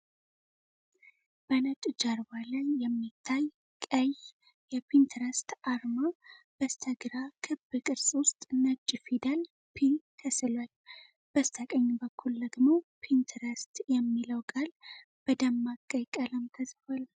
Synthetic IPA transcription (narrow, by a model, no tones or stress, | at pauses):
b̥ənət͡ʃʼd͡ʒaɾbaləjɛmːit̪ʰːaj | kʼəj | jɛpʰint̪ʰɾəst̪ʔaɾma | b̥əst̪ʰəɡɨɾakʰɨbɨkʼɨɾsʼwʊst̪ʼnət͡ʃʼːfid̪al | pʰit̪ʰəsɨlal | b̥əst̪ʰəkʼəɲːbəkʰːuld̪əɡmopʰint̪ʰɾəst̪jɛmːiləwkʼal | b̥əd̪əmːakʼəjkʼələmt̪ʰəsfal